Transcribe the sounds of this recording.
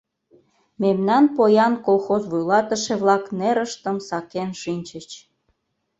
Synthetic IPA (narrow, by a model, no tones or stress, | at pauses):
memnɑnpojɑnkolˠxozβujlɑt̪əʃeβlɑkneɾəʃt̪əmsɑkenʃinʲt͡ɕət͡ɕ